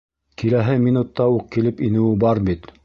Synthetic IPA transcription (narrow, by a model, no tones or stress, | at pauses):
kʰilæɦɘminut̪ːɑuq̚kilɘpinɘ̆wɘbɑɾbit̪